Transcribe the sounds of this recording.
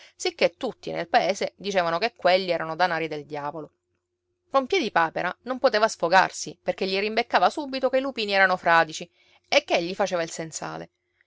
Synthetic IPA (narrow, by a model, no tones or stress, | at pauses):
sikːet̪ːut̪ːinʔḛlpaeːzed̪it͡ʃeːvanokekːweʎːiɛːɾanod̪anaːɾid̪eld̪jaːvolo | kompjɛd̪ipaːpeɾanompot̪eːvasfoɡa̰rsiperkeʎːirimbekːaːvasuːbit̪okeilupiːniɛːɾanofɾaːd̪it͡ʃi | ekːeeʎːifat͡ʃeːvailsensa̰ːlḛ